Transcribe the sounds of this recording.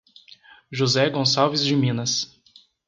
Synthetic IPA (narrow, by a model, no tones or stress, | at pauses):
ʒuzɛɡõsawvɪzd͡ʒɪmĩnɐs